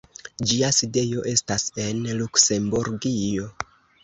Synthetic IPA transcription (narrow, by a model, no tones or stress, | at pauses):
d͡ʒiaside̞jo̞ʔe̞stase̞nlukse̞mbuɾɡijo̞